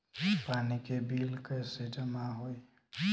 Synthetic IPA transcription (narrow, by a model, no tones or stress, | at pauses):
paːnikebiːlkəjsed͡ʒəmaɦoi